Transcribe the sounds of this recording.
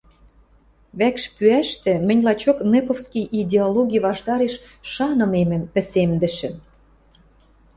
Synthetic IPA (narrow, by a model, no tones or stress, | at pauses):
βækʃpyæʃt̪ĕmɘ̆nʲlɑt͡ɕoknepofskijid̪ʲeoloɣʲijβɑʃt̪ɑɾeʃ | ʃɑnɤ̆memɘ̆mpɘ̆semd̪ɘ̆ʃɘ̆